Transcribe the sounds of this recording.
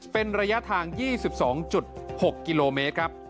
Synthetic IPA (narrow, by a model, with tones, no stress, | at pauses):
pe˧nɾa˧ja˦˥t̪ʰaː˧ŋjiː˥˩si˨˩p̚sɔː˩˦ŋt͡ɕu˨˩t̪̚ho˨˩kːi˧loː˧meː˦˥t̪̚kʰɾa˦˥p̚